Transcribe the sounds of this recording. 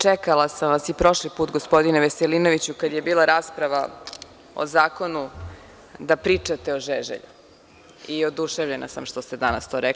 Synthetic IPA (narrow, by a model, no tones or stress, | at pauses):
t͡ʂɛkalˠasamʋasipɾo̞ʃlipuːt̪ɡo̞spo̞d̪ineʋeselino̞ʋit͡ɕukad̪jebiːlˠaɾaːspɾaʋa | o̰zaːko̞nu | d̪apɾiːt͡ʂat̪eoʒeʒḛʎu | iod̪uʃeʋvʎena̰samʃt̪ost̪ed̪anast̪oːɾɛkl